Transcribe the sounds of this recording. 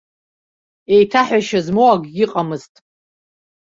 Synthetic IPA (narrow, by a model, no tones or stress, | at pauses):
e̞jtʰaħaʃazmoaɡʲɡʲɪqʼamɨztʼ